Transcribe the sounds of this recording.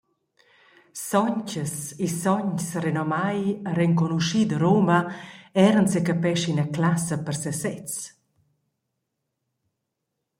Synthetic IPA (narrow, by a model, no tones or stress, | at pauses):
sɔɲcəsisɔɲsrenɔmajəɾɛŋkɔnuʃid̪əɾoːməɛɾənsekəpɛʃinəklasəpərsɛsɛt͡s